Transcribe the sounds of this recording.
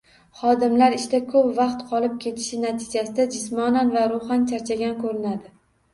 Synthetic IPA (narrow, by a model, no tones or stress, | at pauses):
χɒd̪ɪmlaɾɪʃt̪akʰɵpvɑqt̪qʰɒlˠɪp̚kʲʰe̞t̪ʰɪ̥ʃɪnat̪ʰɪd͡ʒasɪd̪ad͡ʒɪsmɒnanvaɾoχant͡ʃʰaɾt͡ʃʰaɡʲankʰɵɾɪnad̪ɪ